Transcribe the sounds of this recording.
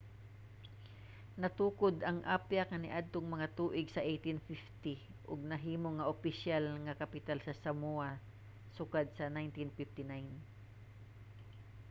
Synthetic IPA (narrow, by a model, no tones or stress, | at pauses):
nɐt̪uːkod̪ɐŋʔapjakɐnɪʔad̪̚t̪oŋmɐŋat̪uːʔɪɡsɐʔejt̪ɪnfɪft̪iʔʊɡ̚nɐɦiːmoŋːɐʔʊpɪʃalŋɐkɐpɪt̪alsɐsɐmua | sʊkad̪̚sɐnajnt̪ɪnfɪft̪ɪnajn